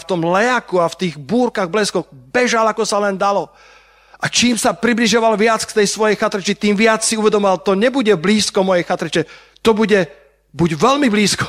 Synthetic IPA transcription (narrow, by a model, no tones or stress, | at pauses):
ft̪ɔmlɛjakuaft̪iːɣbuːɾkaɣblɛskɔɣbɛʒalakɔsalɛnd̪alɔ | ʔat͡ʃiːmsapɾibliʒjɔʋalʋɪat͡skt̪ɛjsʋɔjɛjxat̪ɾɛt͡ʃit̪iːmʋɪat͡ssiuʋɛd̪ɔmɔʋalt̪ɔɲɛbuɟɛbliːskɔmɔjɛjxat̪ɾɛt͡ʃɛ | t̪ɔbuɟɛ | buɟʋɛlmibliːskɔ̥